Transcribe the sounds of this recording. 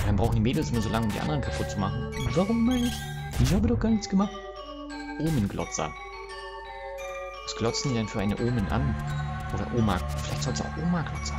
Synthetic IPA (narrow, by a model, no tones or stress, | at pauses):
aʁaɪmbʁaʊxn̩dimeːdl̩sʔʊmɐzoːlaŋəʊmdḭʔa̰ndəʁənkʰapʰʊt̚t͡sumaχn̩vaʁʊmːaɪnəɪçʔɪç̬haːbədɔχɡ̥aːɐnɪçt͡sɡ̥əmaχt | ʔoːmənɡlɔ̰t͡sɐ̰ | ɛsɡ̥lɔt͡sn̩idɛnfyːɐʔaɪnəʔoːmənʔa̰nʔoːɾɐ̰ʔoːma̰kfɪla̰ɪçtz̥ɔlsa̰ʊxʔoːmaɡlɔt͡sɐ̥